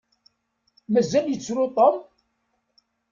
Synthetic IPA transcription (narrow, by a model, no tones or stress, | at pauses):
mæzæljət͡sːɾʊt̪ˤom